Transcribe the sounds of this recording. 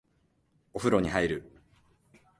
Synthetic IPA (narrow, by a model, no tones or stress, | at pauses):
oɸɯ̟ɾo̞ɲ̟ihaiɾɯ̟